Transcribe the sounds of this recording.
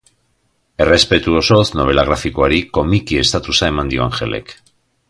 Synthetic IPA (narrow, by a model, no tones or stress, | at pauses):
e̞re̞spe̞t̪uoso̞zno̞βe̞laɣ̞ɾafikoaɾiko̞mikie̞st̪at̪usae̞mand̪io̞a̰nxe̞̰le̞̰k